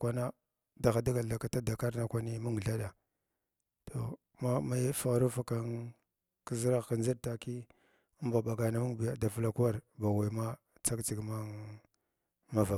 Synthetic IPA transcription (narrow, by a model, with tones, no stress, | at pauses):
kʷa˨na˦ | da˨xa˨da˦ɡa˨a˨ka˨ta˦da˨ka˦ɾna˨kʷa˦ni˦mu˦ŋ˨ɮa˦ɗa˨ | tʰo˨ | ma˦ma˦jfa˨ɣɾu˦fa˨ka˨n | ki˨zi˦ɾa˦ɣka˨nd͡zi˦ɾta˨ki˦ | mba˨ba˨ɡa˨na˨mu˦ŋbja˨da˨fla˨ku˦wa˦ɾba˨wa˨ma˦ | t͡sa˦kt͡si˨ɡma˦ | ma˦va˨